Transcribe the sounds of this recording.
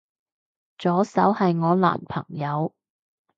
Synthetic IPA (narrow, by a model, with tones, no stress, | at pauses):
t͡ʃɔː˨˥sɐ˨˥whɐ˨jŋɔː˨˧la̰ː˨˩npʰɐ˨˩ŋjɐ˨˧w